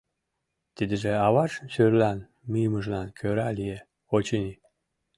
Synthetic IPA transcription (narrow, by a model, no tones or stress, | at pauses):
t̪id̪əʒeɑβɑʃʃyɾlɑn | mijməʒlɑnkʰøɾɑlije | ot͡ɕini